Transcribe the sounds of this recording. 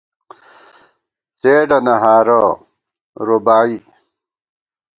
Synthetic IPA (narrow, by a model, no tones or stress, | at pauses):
t͡seːɖɐnɐɦaːɾo | ɾobaːi